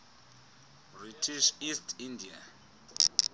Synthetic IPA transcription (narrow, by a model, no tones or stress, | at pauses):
britʰiʃistʰindia̰